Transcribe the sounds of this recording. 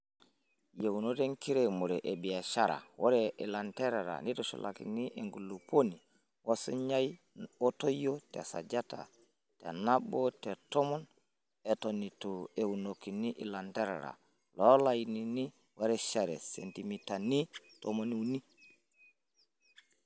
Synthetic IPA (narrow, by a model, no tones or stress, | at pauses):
jewunoteŋkiɾemuɾɛʔebiaʃaɾa̰woɾɛʔɛlantɛɾaɾa̰nitɔʃɔ̰lʔa̰kḭniʔeŋɡulːuponi | wʔasɔ̰ɲaj | ɔtojotɛ̰sa̰d͡ʒata̰ | tɛ̰nabɔtɛtɔmɔn | ɛtɔnitɔewunokːiniʔilantɛɾa̰ɾa̰ | lɔlajinini | waɾɛʃaɾɛ̰sḛntimitani | tɔmoniwni